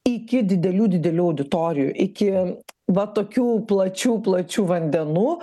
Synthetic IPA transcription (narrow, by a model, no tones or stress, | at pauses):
ɪkʲɪd̪ʲɪd̪ʲɛlʲuːd̪ʲɪd̪ʲɛlʲuːɐʊd̪ʲɪt̪oːɾʲɪjṵːʔɪkʲɪʋɐt̪oːkʲuːplˠɐt͡ʃʲuːplˠɐt͡ʃʲuːʋɐnʲd̪ʲɛnuː